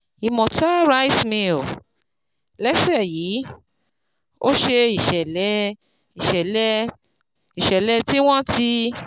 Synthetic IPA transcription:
i˨mɔ̃˨ta˦ɾa˦i˦smĩ˧o˨ | lɛ˦sɛ˦˨ji˨˦ | o˦ʃe˧i˨ʃɛ˨lɛ˨˦ | i˨ʃɛ˨lɛ˦ | i˨ʃɛ˨lɛ˨˦ti˦w̃ɔ̃˦ti˧

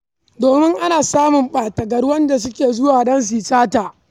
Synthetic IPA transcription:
doː˨mɪ˦ŋʔa˦naː˨saː˦mʊ˨mɓaː˨tɐ˨ɡɐ˨ɽwɐ˦nda˨s̬ʊ˦kʲeː˨zʊ˦waː˨dɐ˦ns̬iː˨saː˦taː˨ʔ

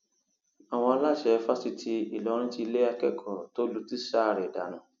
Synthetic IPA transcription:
a˨w̃ɔ̃˧a˧la˦˨ʃɛ˨˦fa˦si˧tʰi˧i˨lɔ˨˦ɾ̃ĩ˦ti˧le˦a˧kɛ˦˨kʰɔ˨to˦lu˦ti˦sa˦˨ɾɛ˨da̰˨˦nã˨

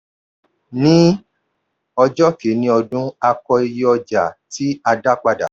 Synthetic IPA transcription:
nĩ˦ | ɔ˧d͡ʒɔ˦ke˨˦nĩ˧˦ɔ˧dũ˦a˧kɔ˧e˧je˦ɔ˧d͡ʒa˨ti˨˦a˧da˦k͡pa˧da̰˨

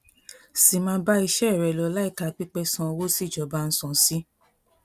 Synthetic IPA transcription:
si˨mã˧˦ba˦i˧ʃɛ˦˨ɾɛ˨lɔ˨˦la˦i˦˨ka˨˧˨k͡pi˦k͡pɛ˧sɔ̃˧wo˦si˦˨d͡ʒɔ˨ba˧˦n̩˦sɔ̃˨si˦

